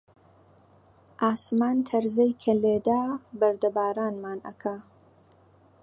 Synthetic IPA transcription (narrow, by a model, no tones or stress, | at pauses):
ʔaːsmaːnt̪ʰɐɾzɐjkʰɐleːd̪aːbɐɾd̪ɐbaːɾaːnmaːnʔɐ̰kʰa